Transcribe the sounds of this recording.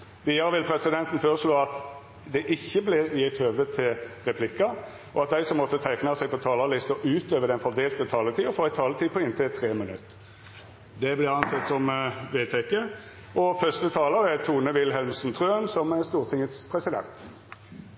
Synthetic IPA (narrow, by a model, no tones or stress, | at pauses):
ʋiːɑʁəʋɪlpʰɾɛsɪd̪ɛnt̪n̩føːʁəʂloːɑt̪ | d̪ɛʔɪçːəblɪjɛt̪høːʋət̪ʰɪlʁɛpʰlɪkːɑ | ʔɔɑt̪d̪æɪsɔmːɔt̪ːət̪ʰæɪknɑsæɪpʰɔt̪ʰɑːləlɪst̪ɔʔʉːt̪øːʋəd̪ɛnfɔʁd̪eːlt̪ət̪ʰɑːlət̪ʰiːɔfoːæɪt̪ʰɑːlət̪ʰiːpʰɔɪnt̪ʰɪt̪ʰʁeːmənʉ̰t̪ː | d̪ɛblɪʁɑnsɛt̪ːsɔmʋeːt̪ʰɛkːə | ʔɔfœst̪ət̪ʰɑːləɾæt̪ʰuːnəʋɪlɦɛlmsnt̪ʰʁøːnsɔməst̪uːʁt̪ʰɪŋət̪spʰʁɛsɪd̪ɛ̰nt̪